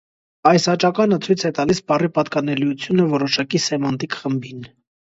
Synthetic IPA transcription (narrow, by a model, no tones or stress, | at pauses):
ɑjsɑt͡ʃɑkɑnət͡sʰujt͡sʰɛt̪ɑlisbɑripɑt̪kɑnɛlujut͡sʰjunəvɔɾɔʃɑkisɛmɑnt̪ikχəmbin